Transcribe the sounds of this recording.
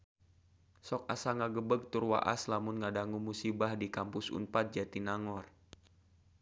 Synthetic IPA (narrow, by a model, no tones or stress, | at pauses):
sɔk̚asaŋaɡəbəɡ̚t̪urwa̰ʔa̰slamunŋadaŋumusibahdikampʊsṵnpat̪̚d͡ʒat̪inaŋɔr